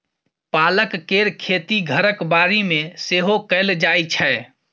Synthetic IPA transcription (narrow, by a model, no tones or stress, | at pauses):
paləkkeɾkʰet̪iɡʱəɾəkbaɾimeseɦokəld͡ʒajt͡ʃʰɛ